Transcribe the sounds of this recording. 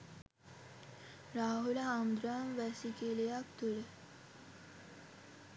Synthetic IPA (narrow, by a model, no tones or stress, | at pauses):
ɾaːɦulaamd̪ɾaːmʋɛsikelejak̚t̪uɽe